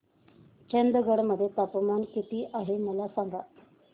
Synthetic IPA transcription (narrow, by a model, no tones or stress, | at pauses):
t͡ɕənd̪əɡəɽməd̪ʱːjet̪apəmankit̪iːʔaɦeməlasaŋɡa